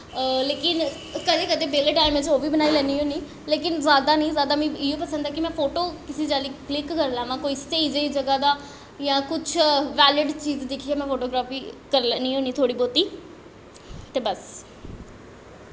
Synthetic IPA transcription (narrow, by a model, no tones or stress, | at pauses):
leːkɪn | kəd̪eːkəd̪eːbeːleːʈaːɪmẽt͡ʃoːbiːbənaːiːlɛ̃ːniːɦõːniː | leːkɪnzaːd̪aːnĩːzaːd̪aːmĩːɪjõːpəsə̃nd̪aːkɪmɛ̃ːpʰoːʈoːkɪseːd͡ʒaːliːklɪkːəɾlãːʋãːkoːist̪eid͡ʒəiːd͡ʒəɡaːd̪aː | jãːkʊt͡ʃʰʋɛːlɪɖt͡ʃiːzd̪ɪkʰiːaːmɛ̃ːpʰoːʈoːɡɾaːfiːkəɾlɛniːɦõːniːt̪ʰoːɽiːboːt̪iː | t̪eːbəs